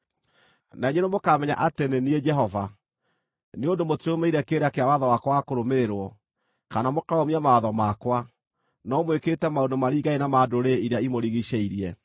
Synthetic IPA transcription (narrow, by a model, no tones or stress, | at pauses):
naeɲenomokaːmɛɲa̰ʔatenenied͡ʒɛɦɔva | neondomotiɾomeiɾɛkeːɾakeawaðɔwakwaakoɾomeɾeɾwɔ | kanamokaɔmiamaaðɔmakwa | nɔmweketɛmaondomaɾiːɡaenamadoɾeiɾeaimoɾiɣiɕɛiɾiɛ